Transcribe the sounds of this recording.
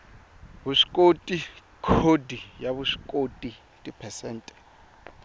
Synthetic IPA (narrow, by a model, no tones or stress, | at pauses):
buʂi̥kʼotʼi | kʰodijaβuʂi̥kʼotʼi | tʼipʰɛsɛːntʼɛ̥